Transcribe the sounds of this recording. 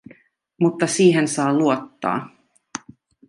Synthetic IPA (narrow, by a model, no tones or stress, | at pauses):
mut̪ːɑsiːɦensɑːluot̪ːɑ̰ː